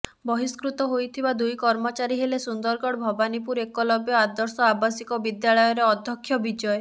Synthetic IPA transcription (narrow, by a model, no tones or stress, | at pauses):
bɔɦiskɾut̪ɔɦojt̪ʰibad̪ujkɔɾmɔt͡ʃaɾiɦelesund̪ɔɾkɔɽbʱɔbanipuɾekɔlɔbjɔad̪ɔɾsɔabasikɔbid̪jaɭɔjɔɾeɔd̪ʱjɔkʰːjɔbid͡ʒɔe